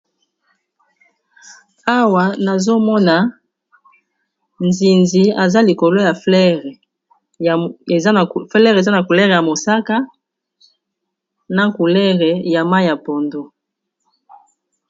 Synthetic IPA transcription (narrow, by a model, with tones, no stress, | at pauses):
a˦wa˨na˨zo˦mɔ˦na˨ | nzi˨nzi˨a˨za˦li˨ko˨lo˦ja˨flɛ˦ʁɛ˨ | e˨zflɛ˦ʁe˨za˦na˨ku˨lɛ˦ʁja˨mo˨sa˦ka˦ | na˦ku˨lɛ˦ʁɛ˨ja˨ma˦jja˨po˨ndo˦